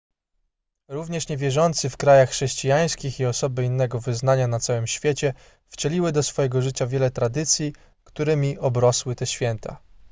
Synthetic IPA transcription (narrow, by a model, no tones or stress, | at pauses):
ɾuvɲɛʂɲɛvʲjɛʐɔnt̪sɘfkɾajaxːʂɛɕt͡ɕijaj̃skʲixiɔsɔbɘinːɛɡɔvɘznaɲanat̪sawɘmɕfʲjet͡ɕɛ | ft͡ɕɛlʲiwɘd̪ɔsfɔjɛɡɔʐɘt͡ɕavʲjɛlɛt̪ɾad̪ɘt̪sʲji | kt̪uɾɘmʲiʔɔbɾɔswɘt̪ɛɕfʲjɛnt̪ʰa̰